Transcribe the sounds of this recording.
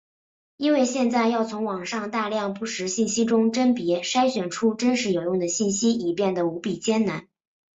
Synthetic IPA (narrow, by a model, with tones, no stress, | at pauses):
i˥nwe˥˧ɪɕjɛ˥˧nt͡sa˥˧ɪjɑ˥˩ʊt͡sʰʊ˧˥ŋwɑ˨˩ŋʂɑ˥˧ŋt̪a˥˧ljɑ˥˧ŋpu˥˩ʂɻ̩˧˥ɕi˥˩nɕi˥ʈ͡ʂʊ˥ŋʈ͡ʂə˥npjɛ˧˥ʂa˥ɪɕɥɛ˨˩nʈ͡ʂʰu˥ʈ͡ʂə˥nʂɻ̩˧˥jo˨˩ʊjʊ˥˩ŋd̪ə˩ɕi˥˩nɕi˥i˨˩pjɛ˥˩nd̪ə˩u˧˥pi˨˩t͡ɕjɛ˥nna˧˥n